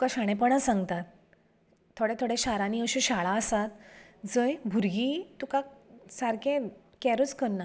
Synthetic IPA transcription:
t̪ukaɕaɽ̃ẽpəɳasãŋɡt̪at̪̚ʰː | oɽet̪ʰoɽeɕaɾaniəɕũɕaɭaəsat̪d͡zəjbʱuɾɡit̪ukasaɾkẽ | kɛɾut͡skənːa

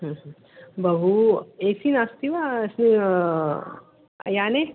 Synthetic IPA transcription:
ɦə̃ɦ | bʱɐbueːsinast̪iʋasni | jane

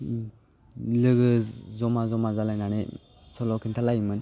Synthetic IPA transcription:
lɯɡɯzɔmazɔmazalajnane | sɔlɔkʰintʰalajmɯn

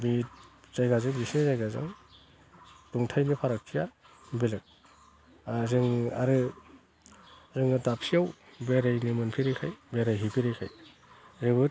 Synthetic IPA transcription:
biz̥ajɡazɯŋbisnizajɡazɯ̰ŋ | tuŋtʰajnipʰaɾak̚tʰija | belek̚ | zɯŋaɾɯ | zɯŋɯtap̚siawbeɾajnimɯnpʰiɾekʰajbeɾajɦipʰiɾekʰa̰j | zebɯt

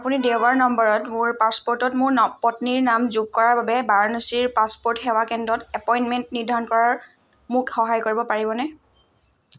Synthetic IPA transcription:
apunidewbaɹnɔmbɔɹɔtmʊɹpaspoɹtɔtmʊɹɔpɔtniɹnamzuɡ̚kɔɹaɹbabɛbaɹnusiɹpaspoɹtxɛwakɛndɔtɛpɔjnmɛntniɹdʱaɹɔnkɔɹaɹ | mʊkxɔɦajkoɹibɔpaɹibɔnɛ

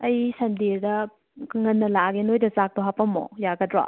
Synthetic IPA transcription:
ɐjsɐmdiɾdɐ | ŋɐnːɐlaɡenojdɐzak̚toɦapɐmo̰jaɡɐdɾa̰

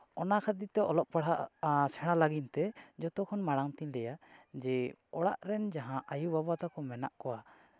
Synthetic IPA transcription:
ɔnakʰad̪it̪ɛɔlɔʔpaɽɦaʔsɛɽ̃alaɡint̪ɛd͡ʒɔt̪ɔkʰɔnmaɽaŋt̪iɲlɛjad͡ʒɛɔɽa̰ʔɾɛnd͡ʒaɦãʔajubabat̪akɔmɛna̰ʔkɔwa

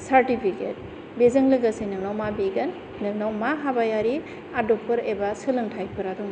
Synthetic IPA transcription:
saɾtipʰiket̚ | bezɐŋlɯɡasenɯŋnawmabiɡɐn | nɯŋnawmaɦabajaɾi | adɔk̚pɯɾebasɯlɯŋtʰajpʰɯɾaduŋ

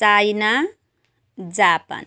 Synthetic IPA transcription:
ajna | d͡zapa̰n

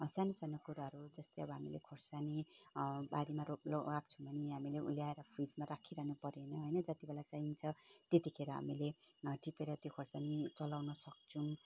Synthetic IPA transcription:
sanosanokuɾaɦʌɾud͡zʌst̪ejʌbʌɦamilḛkʰorsani | baɾimaɾoloak̚t͡sʰubʌniɦamileʔṵljaeɾʌpʰid͡zmaɾakʰiɾʌɦnupʌɾenʌɦojnʌd͡zʌt̪ibelat͡saint͡sʰʌt̪et̪ikʰeɾʌɦa̰mile | ʈipeɾʌt̪jokʰorsanit͡sʌlawnʌsʌk̚t͡sʰũ

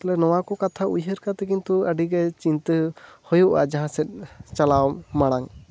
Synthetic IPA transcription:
t̪ɔlɛnɔwakɔkat̪ʰaujɦəɾkat̪ɛkint̪uəɖiɡɛt͡ʃint̪əhɔjuʔa̰d͡ʒaɦãsɛt̪̚ˀt͡ʃalawmaɽ̃aŋ

